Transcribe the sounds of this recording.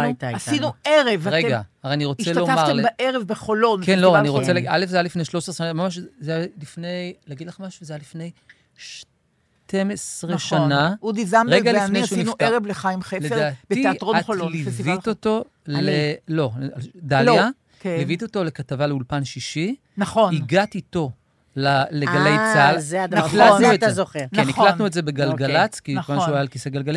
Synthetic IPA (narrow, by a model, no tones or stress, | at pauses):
taasinueʁevʁeɡaaaniʁot͡selomaʁlebaʔeʁevbeχolonkenloaniʁot͡selʔalefzejalifne̞jʃlosʁʃanamamaʃzejalifne̞jlaɡid̪laχmaʃuzejalifne̞j | ʃ | tʰe̞mesʁeʃanaud̪izamʁeɡaliffnejsʃusninuteʁevleχajmχeleedaːtb̥eieatʁoaχololivioto̞ | lelo̞ad̪alja | kelivit̪oto̞lekatavaleulpanʃiʃi | nɐχoniɡatito̞ | laleɡalejt͡salzeaniklanuetzezoχenniklannuetzebeɡalɡallat͡skinkvanʃeuajalkiseɡalɡali